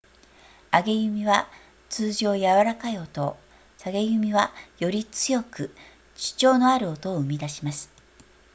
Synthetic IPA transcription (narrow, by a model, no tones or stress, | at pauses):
aɡe̞jɯ̟mʲiβa | t͡sɨːʑo̞ːjaβaɾakaiot̪o̞ | saɡe̞jɯ̟mʲiβajo̞ɾʲit͡sɨjo̞kɯ̟ | t͡ɕi̥t͡ɕo̞ːno̞aɾɯ̟ot̪o̞ːɯ̟mʲid̪aɕimasɨ̥